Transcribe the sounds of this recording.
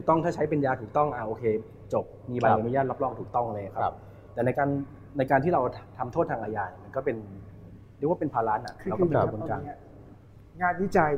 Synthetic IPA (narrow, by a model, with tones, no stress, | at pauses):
t̪ʰuː˨˩t̪ɔ˥˩ŋt̪ʰaː˥˩t͡ɕʰa˦˥jp̬e˧njaː˧t̪ʰuː˨˩k̚t̪ɔ˥˩ŋʔa˧˩ʔoː˧kʰeː˧ | t͡ɕo˨˩p̚miː˧ba˧˩˧a˨˧˩nu˧˥˦jaː˥˩t̪la˦˥plɔː˥˩ŋ̚t̪ʰuː˨˩k̚t̪ɔ˥˩ŋ˧la˧ja˨˩kʰa˦p | t̪ɛː˨˩na˧jkaː˧nː | a˧jkaː˧nt̪ʰiː˥˩ɾa˧wʰt̪ʰa˧mt̪ʰoː˥˩t̪ʰaː˧ŋʔaː˧jaː˧˩˨ma˧nkɔː˥˩pe˧n | ɾi˥˩k̚waː˥pe˧npʰaː˧laː˦˥nʔa̰˨˩ʔa˧wpːkʰu˧n˧ka˧˩˧ | ɲaː˥˩t̪̚wi˦˥t͡ɕa˧j